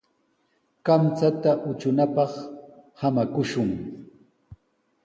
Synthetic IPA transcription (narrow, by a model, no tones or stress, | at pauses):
kamt͡sat̪aʔʊt͡ʃʊnapɑχhamakʊʃʊŋ